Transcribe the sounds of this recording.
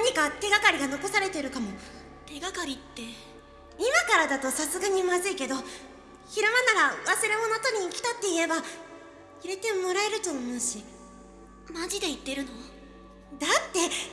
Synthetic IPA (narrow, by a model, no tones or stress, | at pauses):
naɲ̟ikat̪e̞ɡakaɾʲiɡano̞ko̞saɾe̞t̪e̞ɾɯ̟kamo̞ | t̪e̞ɡakaɾʲit̪ːe̞ | imakaɾad̪at̪o̞sasɨɡaɲ̟imazɨike̞d̪o̞ | çiɾamanaɾaβasɨɾe̞mo̞no̞t̪o̞ɲ̟iːkʲi̥t̪at̪ːe̞ie̞ba | iɾe̞t̪e̞mo̞ɾaeɾɯ̟t̪o̞ːmoːɕi | mad͡ʑid̪e̞it̪ːe̞ɾɯ̟no̞ | d̪at̪ːe̞